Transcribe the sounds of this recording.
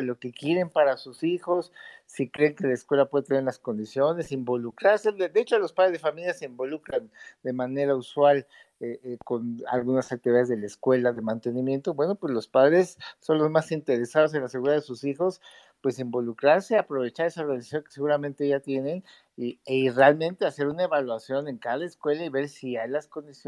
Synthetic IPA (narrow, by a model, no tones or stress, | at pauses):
lo̞ke̞kje̞ɾe̞mpaɾasusixo̞sːikɾe̞ːŋke̞laeskwe̞lapwe̞ðt̪e̞neɾlasko̞nd̪isjo̞ne̞simbo̞lukɾaɾsed̪eet͡ʃolo̞spaðɾezðefamiljaseimbo̞lukɾand̪e̞mane̞ɾauswal | eko̞na̰lɣunasak̚t̪iβiðaðe̞zðe̞laeskwe̞laðemãnt̪e̞nĩmje̞nt̪o̞bwe̞no̞pwezlo̞spaðɾe̞sːo̞nlo̞zmasint̪e̞ɾe̞sað̞o̞s̬enlaseɣuɾiðaðesusixo̞s | pwe̞simbo̞lukɾaɾse̞apɾo̞βe̞t͡ʃaɾe̞sarealisasjoŋke̥se̞ɣuɾamẽ̞nt̪e̞ʝat̪je̞ne̞n | iere̞almẽ̞nt̪e̞ase̞ɾunaeβalwasjo̞ne̞ŋkaðaeskwe̞laiβe̞ɾsiajlasko̞nd̪isjo